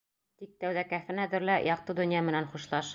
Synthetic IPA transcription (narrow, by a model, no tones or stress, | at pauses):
t̪ik̚t̪æwðækæfɘ̆næðɘ̆ɾlæjɑq̚t̪ɤd̪ɵ̆njɑmɘ̆nænχuʃlˠɑʃ